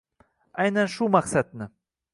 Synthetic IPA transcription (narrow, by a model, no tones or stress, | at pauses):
ajnanʃumaqsad̪̚nɪ